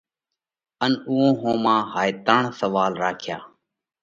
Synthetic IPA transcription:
ənuːõːɦõːmãːɦaːet̪əɳsəʋaːlɾaːkʰja̰ː

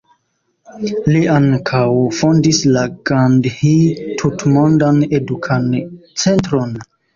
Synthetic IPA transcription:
liʔaŋkʰawfo̞ndislaɡɾandhitʰutmo̞ndane̞dukʰant͡se̞ntɾon

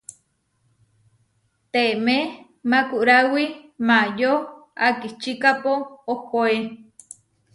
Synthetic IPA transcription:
t̪eme | makuʔɾawimajoakit͡ʃikapoːkoe

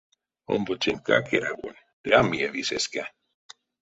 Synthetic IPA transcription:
o̰mbot͡ʃenka̰keɾaɡo̰n | d̥ɾamːieviseska

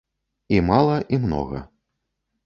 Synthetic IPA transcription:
imalˠɐʔimnɔ̰ɣɐ̰

